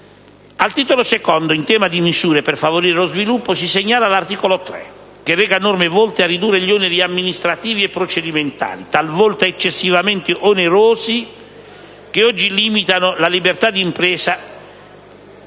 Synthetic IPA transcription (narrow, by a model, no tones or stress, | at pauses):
alt̪iːt̪olosekɔnd̪oint̪ɛːmad̪imisuːɾeperfavoɾiːɾelozvilupːosiseɲːaːlalart̪iːkolot̪ɾɛ̰ | k̟erːɛːɡaenormevɔlt̪earːid̪uːrːeʎoneɾiamːinist̪ɾat̪iːviepːɾot͡ʃed̪iment̪a̰ːlit̪alvɔlt̪aet͡ʃːesːivament̪eʔoneɾoːzi | keɔd͡ʒːiliːmit̪anolalibert̪ad̪iːmpɾɛːsa